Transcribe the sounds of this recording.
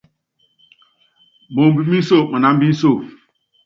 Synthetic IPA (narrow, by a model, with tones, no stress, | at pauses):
bo˨m˨bi˦˨mi˦n˦so˦˨mə˨na˦m̩˦bi˦n̩˦so˦˨